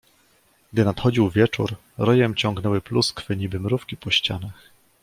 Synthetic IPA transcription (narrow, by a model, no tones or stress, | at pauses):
ɡ̥d̪ɘnat̪xɔd͡ʑiwvʲjɛt͡ʂṵɾ | ɾɔjɛmt͡ɕɔŋɡn̪ɛwɘpluskfɘɲibɘmɾufkʲipɔɕt͡ɕa̰nax